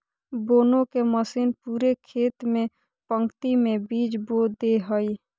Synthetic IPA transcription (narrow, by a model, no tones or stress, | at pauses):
boːnõkeməsiːnpuːɾekʰeːt̪mẽ | pə̃ŋkt̪imẽbiːd͡ʒboːd̪eɦoi